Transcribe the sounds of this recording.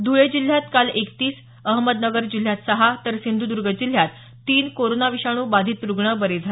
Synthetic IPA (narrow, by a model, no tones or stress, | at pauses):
d̪ʱuɭed͡ʑil̤jat̪kalekt̪iːs | əɦməd̪nəɡəɾd͡ʑil̤ːjat̪səɦat̪əɾsind̪ʱuːd̪uɾɡəd͡ʑil̤ːjat̪ː | iːnkoɾonaʋiɕaɽ̃uːbad̪ʱiːt̪ɾuɡɳəbəɾed͡zʱale